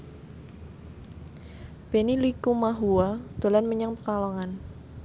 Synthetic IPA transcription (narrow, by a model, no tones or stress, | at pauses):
b̥enilikumaɦuad̪̥o̤lanməɲaŋpəkalɔŋan